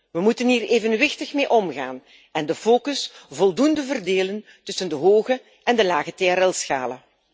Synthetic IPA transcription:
ʋəmutəniːreːvənʋɪxtəxmeːʔɔmɣa̰ːn | ɛndəfoːkəsvɔlˠdundəvərdeːlən | tɵsəndəɦoːɣə | ʔɛndəlaːɣəteaɾɛlˠsxa̰ːlə

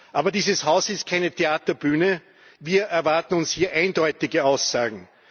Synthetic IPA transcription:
ʔaːbɐdiːzəshaʊsɪst̚kʰaɪnətʰeaːtɐb̥yːnə | viːɐʔɛɐvaɐtn̩ʊnshiːɐʔæ̃ɪndɔʏtɪɡəaʊsːaːɡŋ̩

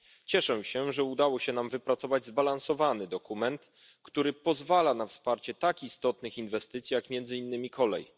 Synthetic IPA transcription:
t͡ɕɛʂɛɕɛʐɛud̪awɔɕɛnamvɘpɾat̪sɔvad͡ʑzbalansɔvanɘd̪ɔkumɛnt̪ | kt̪uɾɘpɔzvalanafspaɾt͡ɕɛt̪akist̪ɔt̪nɘxinvɛst̪ɘt̪sʲijakmʲjɛnd̪zɘinːɘmʲikʰɔlɛ̰j

